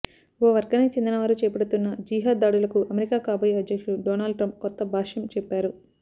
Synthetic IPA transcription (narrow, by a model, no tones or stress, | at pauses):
ɔːʋɐɾɡɐneːt͡ʃind̪inɐʋaːɾut͡ʃɛːpɐɽut̪unːɐd͡ʒiːɦaːd̪aːɽulɐkuʔɐmeɾikaːkaːbɐjɐd̪jɐkʂuɖɔːnaːlɖʈɾɐmp̚kɔt̪ːɐbʱaːʂjɐmt͡ʃɛpːaːɾu